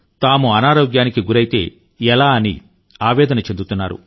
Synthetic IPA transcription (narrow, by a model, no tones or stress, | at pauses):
t̪aːmuɐnaːɾoːɡjaːnikiɡuɾɐjit̪e̞ː | ɛlaːɐnḭ | aːʋɛːd̪ɐnɐt͡ʃe̞nd̪ut̪unːaːɾṵ